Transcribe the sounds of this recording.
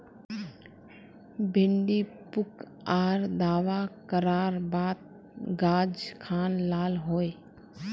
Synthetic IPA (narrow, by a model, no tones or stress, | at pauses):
bʱɪɳɖipʊk | aːɾd̪aːʋakəɾaːɾbaːd̪̚ | ɡaːd͡ʒkʰaːnlaːlɦoːe